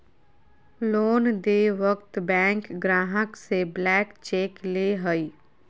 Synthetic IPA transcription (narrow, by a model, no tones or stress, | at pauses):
loːnd̪eʋəkt̪bɛ̃ːŋkɡɾaːɦəkseblɛːkt͡ʃeːkleɦəi